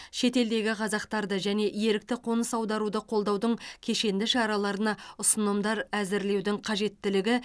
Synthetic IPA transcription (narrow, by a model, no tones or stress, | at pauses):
ʃe̞t̪e̞ld̪e̞ɡʲɪqʰɑzɑqt̪ɑɾd̪əʒæne̞ʔje̞ɾɪk̚t̪ɪqʰo̞nəsɑwd̪ɑɾud̪əqʰo̞lˠd̪ɑwd̪əɴkʲʰe̞ʃe̞nd̪ɪʃɑɾɑlˠɑɾənɑʊsənəmd̪ɑɾæzɪɾle̞wd̪ɪŋqʰɑʒe̞t̪ːɪlɪɡʲɪ